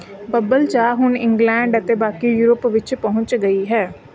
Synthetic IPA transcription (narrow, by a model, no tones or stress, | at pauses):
bəbəlt͡ʃaːɦʊnɪ̃ŋɡlɛ̃ːɳɖət̪eːbaːkiːjuːɾəpʋɪt͡ʃpɔɦʊ̃ɲt͡ʃɡəiːɦɛː